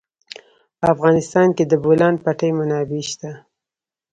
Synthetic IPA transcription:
pəafɣɑnɪst̪ɑnked̪əbolɑn̚paʈəjmanɑbeʃt̪a

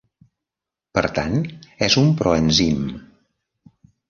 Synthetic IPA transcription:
pəɾt̪anɛzumpɾɔənzim

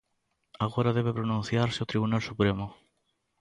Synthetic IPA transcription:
aɣoɾaðeβepɾonũnθjaɾsɪot̪ɾiβunalsupɾemʊ

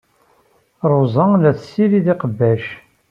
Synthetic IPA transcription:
ɾˤozˤəlæθsːiɾiðiqəbːæʃ

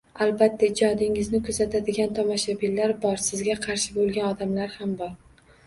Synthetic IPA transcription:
albat̪ʰːaɪd͡ʒɒd̪ɪŋɪznɪkʰɵzat̪ʰad̪ɪɡʲant̪ʰɒmaʃabilːaɾbɒɾsɪzɡʲaqʰɑɾʃɪbolˠɡʲanɒd̪amlaɾhambɒɾ

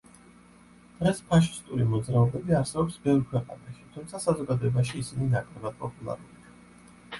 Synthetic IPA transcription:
d̪̥ʁɛspʰaʃi̥st̪ʼuɾimɔd̪zɾaɔbɛbiaɾsɛbɔpsbɛvɾkʰwɛqʼa̰naʃi̥t̪ʰumt̪sʰasazɔɡad̪ɔɛbaʃiːsininakʼlɛbad̪̚pʼɔpʼulˠa̰ɾuli

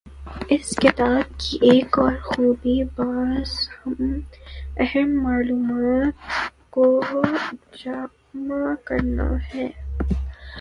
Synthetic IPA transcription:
ɪskɪt̪aːb̚kiʔeːkɔːɾxuːbibaːzhɐm | ɛɦɛmːaːluːmaːt̪ko | d͡ʒaː | makɐɾna̰hɛː

